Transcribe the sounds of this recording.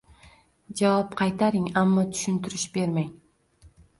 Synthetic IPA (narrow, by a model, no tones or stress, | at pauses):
d͡ʒɑwapqʰɑjt̪ɑɾiŋɑmːat̪ʰy̥ʃynt̪yɾyʃbeɾmej